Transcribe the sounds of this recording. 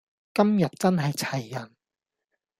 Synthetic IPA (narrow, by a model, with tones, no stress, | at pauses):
kɐ˥mjɐ˨t̚t͡sɐ˥nɦɐ˨jt͡sʰɐ˨˩jːɐ˨˩n